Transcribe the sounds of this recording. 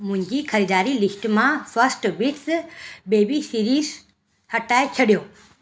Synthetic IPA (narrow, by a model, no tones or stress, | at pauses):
mʊ̃ɦɪ̃ɲd͡ʑikʰɐɾiːd̪aːɾilikʈmãfəsʈbiʈsbeːbisiɾiːz | hɐʈaːet͡ʃʰɐɽijoː